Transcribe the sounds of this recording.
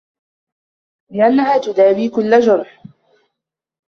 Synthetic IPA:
lɪʔanːahaːt̪ʊd̪aːbiːkʊlːad͡ʒʊɾˤħ

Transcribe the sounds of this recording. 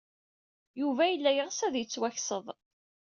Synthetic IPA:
juvæjəlːæjəʁsæðjət͡sːwæçsəðˤ

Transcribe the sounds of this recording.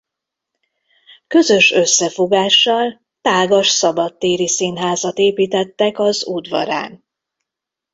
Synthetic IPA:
kø̞zø̞ʃø̞sːɛfo̞ɡaːʃːɒl | t̪aːɡɒʃsɒbɒt̪ːeːɾisinɦaːzɒt̪eːpiːt̪ɛt̪ːɛkɒzuːd̪vɒ̰ɾa̰ːn

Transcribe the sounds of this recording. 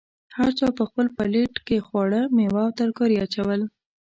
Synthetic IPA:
haɾt͡ʃɑpəxpəlpaleʈkexwɑɽəmewɑwt̪aɾkoɾiat͡ʃawəl

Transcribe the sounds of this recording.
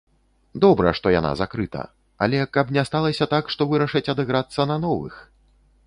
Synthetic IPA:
d̪ɔbɾɐ̰ʂt̪ɔja̰na̰zakɾɨt̪ɐ̰ | a̰lʲɛkɐpnʲɛst̪alˠɐsʲɐt̪akʂt̪ɔvɨɾɐʂɐt͡sʲɐd̪ɨɣɾat̪sːɐnɐnɔvɨ̰x

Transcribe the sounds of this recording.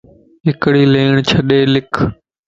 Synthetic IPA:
ɦɪkɽiːleːɳ̃t͡ʃʰəɗeːlɪkʰ

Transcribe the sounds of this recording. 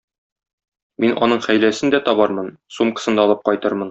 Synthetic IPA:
minʔɒ̰nɤɴχæjlæsɘnd̪æt̪ɒbɑɾmɤnsumqɤ̥̆sɤ̆nd̪ɑɒlˠɤp̚qɒjt̪ɤɾmɤn

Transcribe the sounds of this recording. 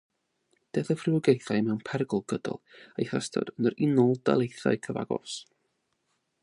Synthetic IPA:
d̥eθəfrɪwəɡejθajmɛwnpʰɛrɡʊlˠɡədɔ̰lˠejχastʰɔ̰d̥ənəɾɪnɔlˠd̥a̰lˠejθa̰ɨkʰəva̰ɡɔ̰s

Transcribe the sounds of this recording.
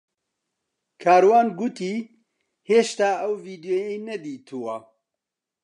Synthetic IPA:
kʰaːɾwaːnɡut̪iː | heːʃt̪aːʔɐwviːd̪joːjɛjnɛd̪iːt̪ʰuwɐ

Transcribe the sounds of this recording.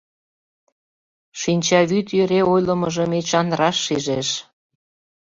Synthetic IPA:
ʃinʲt͡ɕɑβyt̪jøɾeojləmɤʒə̆met͡ɕɑnd̪ɾɑʃːiʒeʃ

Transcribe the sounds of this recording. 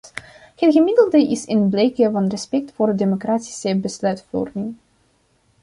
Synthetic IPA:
hətɣəmɪdəlˠdəʔɪsɪnblejkəvɑnrəspɛk̚tfoːrdemokraːti̥səbəslœɥtfɔ̰rmɪŋ

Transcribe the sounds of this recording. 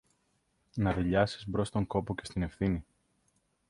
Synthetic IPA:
nɐðiʎɐsi̥zbɾo̞st̪o̞ŋko̞pocest̪ine̞fθini

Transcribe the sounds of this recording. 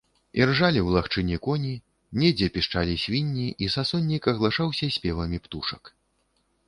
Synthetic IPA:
irʐalʲiwlˠaxt͡ʂɨnʲɛkɔnʲi | nʲɛd͡zʲɛpʲiʂt͡ʂalʲisʲvʲinʲːiʔisasɔnʲːikɐɣlˠaʂawsʲɐsʲpʲɛvɐmʲipt̪uʂɐk

